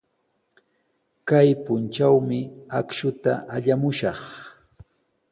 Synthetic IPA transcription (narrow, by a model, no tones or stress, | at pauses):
kajpʊnt͡ʃawmɪakʃʊt̪aʔaʎamʊʃɑχ